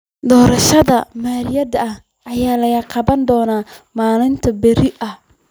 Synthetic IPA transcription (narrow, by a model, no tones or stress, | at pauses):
d̪ɔːɾɐʃɐðɐmaːɾjɐdɐɐh | ʔɐjaːlɐɣɐqɑβɐnd̪ɔːnaːmaːlɪnt̪ʰɐbɛɾɪʔɐh